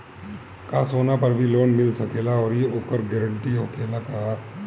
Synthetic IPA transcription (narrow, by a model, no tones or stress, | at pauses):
kasoːnapɐɾbʱiloːnmɪlsɐkeːlaɔːɾjeoːkəɾɡɛːɾə̃ɳʈiɦoːkeːlakaɦa